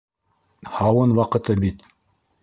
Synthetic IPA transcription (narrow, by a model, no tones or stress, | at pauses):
hɑwɤnwɑqɤ̆t̪ɤbit̪